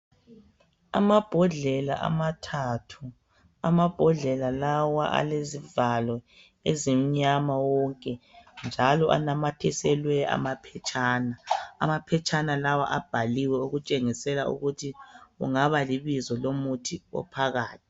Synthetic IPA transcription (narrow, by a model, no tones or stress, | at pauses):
a̰mab̥ʱɔɮɛla̰ʔa̰matʰatʰu | amab̥ʱɔɮɛlalawaʔa̰lezivalwɔ | ezim̩ɲamawɔŋkʼɛnd͡ʒʱalɔʔa̰namatʰɛsɛlwɛa̰mapʰɛt͡ʃʼaːna̰ːmapʰɛt͡ʃʰʼanalawaʔab̥ʱaliwɛuɣut͡ʃʼeŋisɛlaṵɣutʰiɣṵŋaβaliβizɔlomutʰiɔ̰pʰaɣaːtʰi̥